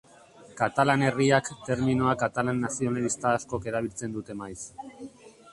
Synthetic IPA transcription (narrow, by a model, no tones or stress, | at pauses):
kat̪alane̞riakt̪e̞ɾmino̞akat̪alanːasio̞nalist̪aːsko̞ke̞ɾaβ̞ilt͡se̞nd̪ut̪e̞majs